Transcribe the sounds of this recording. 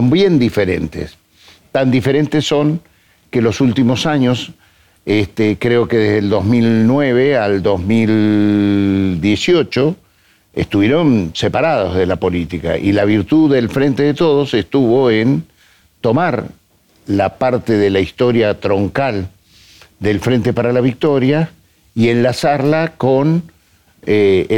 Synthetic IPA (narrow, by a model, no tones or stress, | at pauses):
sombje̞nd̪ife̞ɾent̪ḛs | t̪and̪ife̞ɾe̞nt̪esːo̞ŋ | kelo̞sult̪imo̞saɲo̞s | est̪ekɾe̞o̞ke̞ðezðeld̪o̞zmilnwe̞β̞e̞ald̪o̞zmil | d̪je̞sio̞t͡ʃo | ḛst̪uβje̞ɾo̞nsepaɾað̞o̞zðe̞lapo̞lit̪ika̰ʔilaβ̞iɾt̪uðːelfɾe̞nt̪eðet̪o̞ð̞o̞sest̪uβ̞o̞en | t̪o̞maɾ | lapaɾt̪eðelaist̪o̞ɾjat̪ɾo̞ŋkal | d̪e̞lfɾẽ̞nt̪e̞paɾalaβ̞ik̚t̪o̞ɾja | ienlasaɾlako̞n | e